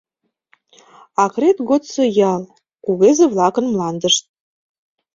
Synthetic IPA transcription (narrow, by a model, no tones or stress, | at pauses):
ɑkret̪ɡot̪t͡sɤjɑl | kuβezĕvlˠɑkə̆nmlˠɑnd̪əʃt̪̚